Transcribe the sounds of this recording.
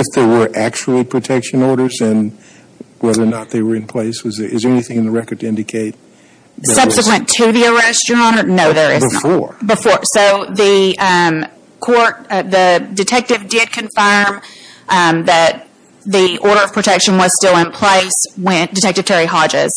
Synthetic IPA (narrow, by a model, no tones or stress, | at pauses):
ɨfðə˞wə˞ʔæk̚t͡ʃul̩ˠipʰɹ̥ɨtʰɛkʃɨ̃nɔɹɾə˞zɨ̃n | wɛðə˞nət̪̚ðeɪwə˞ɨ̃npʰl̥eɪswʌzɪzðə˞ɛniθɪ̃ŋ̃nðəɹɛkə˞d̚tɪ̃ndɨkʰeɪt̪̚ | ðsʌb̥sɨkwɨ̃ntʰɨðiə˞ɛst͡ʃə˞ɑ̃ɾ̃ə˞noʊðə˞ɪzɪfɔɹbɨfɔɹsoʊðɨ | kʰɔɹt̚ðɨdɨtʰɛk̚tɨvdɪd̚kʰɨ̃ɱfɜ̃˞m | ðɨt̪̚ | ðiʔɔɹɾə˞ʌv̥pʰɹ̥ɨtʰɛkʃɨ̃nwʌz̥stɪlˠɪ̃npʰl̥eɪswɪ̃ndɨtʰɛk̚tɨv̥tʰɛɹiɦɑd͡ʒɪ̰z̥